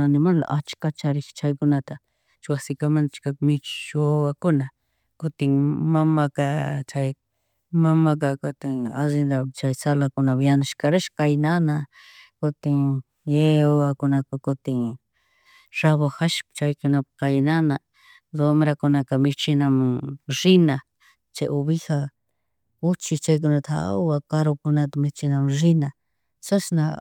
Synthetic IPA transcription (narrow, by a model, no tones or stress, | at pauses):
anɪmala̰ʔat͡ʃkat͡ʃaɾɪχt͡ʃajkʊnat̪a | t͡ʃwasɪkamant͡ʃkakmɪt͡ʃt͡ʃowakʊna | kʊt̪ɪŋmamakat͡ʃaj | mamakakʊt̪ɪŋazɪnd̪at͡ʃajsalakʊnabjanaʃkaɾaʃkajnana | kʊt̪ɪŋ | jeuakunãkkot̪i | ʐ̥aβoxaʃpt͡ʃaikunãkainãnã | d̪omɾakunãkamĩt͡ʃinãm̃ʐinã | t͡ʃeʔuβiha | ut͡ʃit͡ʃak̬unãt̪ʰa̰uakaɾokunãt̪mĩt͡ʃinãmʐinã | sasnã